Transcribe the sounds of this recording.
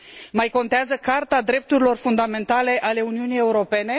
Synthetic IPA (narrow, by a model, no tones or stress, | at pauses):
majko̞nt̪eazəkart̪ad̪ɾe̞p̚t̪uɾilo̞rfund̪ame̞nt̪ale̞ʔale̞uniunije̞uɾo̞pe̞ne̞